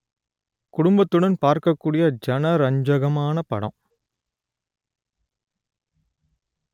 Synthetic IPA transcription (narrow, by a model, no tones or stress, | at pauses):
kʊɽʊmbɐt̪ːɯɽɐnpaːɾkɐkːuːɽɪjɐd͡ʒɐnɐɾɐɲd͡ʒɐɣɐmaːnɐpɐ̰ɽɐ̰̃m̃